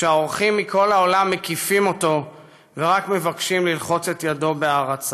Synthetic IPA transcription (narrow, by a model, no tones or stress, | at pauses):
ʃeaoʁχimːikʰo̞lao̞lamːe̞kifimo̞to̞ | veʁakme̞vakʃimlilχo̞t͡se̞tjado̞beaʁat͡sa